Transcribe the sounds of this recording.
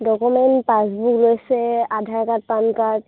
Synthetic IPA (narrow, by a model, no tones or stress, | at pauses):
dɔkumɛntpasbuklojsɛadʱaɹkat̚pankat